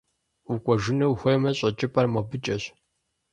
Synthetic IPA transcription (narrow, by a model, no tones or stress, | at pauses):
ukʷʼɔʒɪnɐwxʷɔjmɐɕʼɐt͡ʃʼɪpʼɐrmɐbɨt͡ʃʼɐɕ